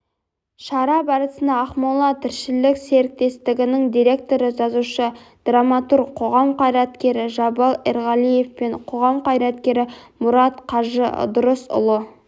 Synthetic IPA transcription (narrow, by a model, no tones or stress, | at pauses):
ʃɑɾɑbɑɾəsənɑːχmɑlˠɑt̪ʰɪɾʃɪlɪkse̞ɾɪk̚t̪e̞st̪ɪɡʲɪnɪŋd̪ijɾe̞k̚t̪o̞ɾəʒɑzuʃəd̪̥ramɑt̪uɾqʰo̞ʁɑmqʰɑjɾɑt̪kʲe̞ɾɪʒɑbɑlˠeɾʁɑlˠije̞fpe̞ɴqʰo̞ʁɑmqʰɑjɾɑt̪kʲe̞ɾɪmʊɾɑt̪qʰɑʒə̰d̪ʊɾəsʊ̰lˠə